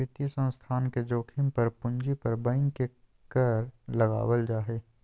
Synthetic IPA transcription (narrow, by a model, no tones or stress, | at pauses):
et̪ijəsə̃nst̪ʰaːnked͡ʒoːkʰɪmpɐɾpʊ̃ɲd͡ʒipɐɾbɐ̃ŋɡke | kɐɾlɐɡa̰ːwəld͡ʒaːɦeː